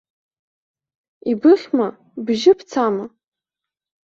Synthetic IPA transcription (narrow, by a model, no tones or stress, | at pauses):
ibɨχʲma | bʒɪpʰt͡sʰama